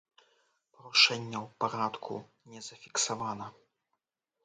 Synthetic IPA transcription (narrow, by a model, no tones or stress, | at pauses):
pɾuʂɛnʲːɛwpaɾat̪kʰṵ | nʲɛzɐfʲiksavanɐ